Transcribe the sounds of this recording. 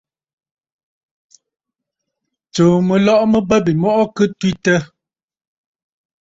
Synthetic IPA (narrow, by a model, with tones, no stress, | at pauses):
t͡so˨mə˨lɔ˦˨ʔmə˦bə˦bi˨mɔ˦ʔɔ˦kɨ˦twi˦tə˦